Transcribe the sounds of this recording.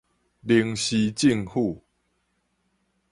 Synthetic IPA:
li˧˩ŋɕi˧t͡ɕi˥˧˨ŋhu˥˧˨

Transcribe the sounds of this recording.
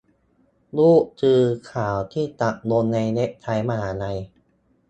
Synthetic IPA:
luː˥˩ʔt͡ɕɯː˧kʰaː˩˦wt̪ʰiː˥˩t̪a˨˩k̚no˧nːa˧jne˦˥ʔ̚t͡ɕ̪ʰa˧jmaː˧haː˩˦na˧j

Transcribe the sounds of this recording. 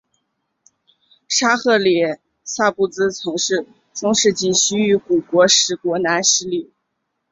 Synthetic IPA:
ʂa˥xɤ˥˩ljɛ˨˩˦ | sa˥˩pu˥˩t͡sɹ̩˥t͡sʰɤ˧˥ŋʂɻ̩˥˩ | ʈ͡ʂʊ˥ŋʂɻ̩˥˧t͡ɕi˥˩nɕy˥y˧˥ku˨˩kwɔ˧˥ʂɻ̩˧˩kwɔ˧˥na˧˥nɕ̩˥li˥˩

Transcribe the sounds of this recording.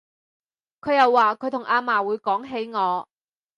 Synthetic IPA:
kʰɵ˨˧jɐ˨wːaː˨kʰɵ˨˧ɥt̪ʰʊ˨˩ŋʔaː˧maː˨˩wuː˨˧jkɔː˨˥ŋɦe˨˥jŋɔː˨˧

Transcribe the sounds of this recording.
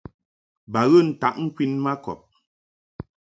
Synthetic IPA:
ba˨ɣə˦˨n̩˨ta̰˨˦ʔŋ̩˦kwi˦nma˦kɔ̰˨p̚

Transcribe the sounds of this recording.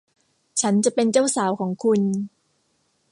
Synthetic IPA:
t͡ɕʰa˦˥nt͡ɕa˨˩pe˧nt͡ɕaː˥˩wsaː˩˦wkʰɔː˩˦ŋkʰu˧n

